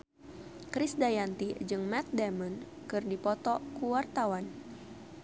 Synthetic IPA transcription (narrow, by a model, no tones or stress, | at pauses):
kɾisdajant̪id͡ʒɨŋmɛt̪̚dɛmən | kɨrdipɔt̪ɔkuwart̪awan